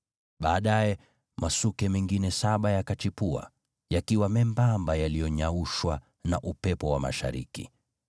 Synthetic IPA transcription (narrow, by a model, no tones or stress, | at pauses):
ɓaːɗajɛ | masukɛmɛŋɡinɛsaɓajakat͡ʃipua̰ | jakiwamɛmbambajalijɔɲauʃwa | naʔupɛpɔwama̰ʃa̰ɾḭkḭ